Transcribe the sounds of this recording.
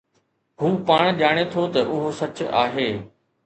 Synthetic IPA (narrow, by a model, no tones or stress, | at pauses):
ɦuːpaːɽ̃ʄaːɽ̃et̪ʰot̪ɐʔʊɦosɐt͡ɕa̰ːɦeː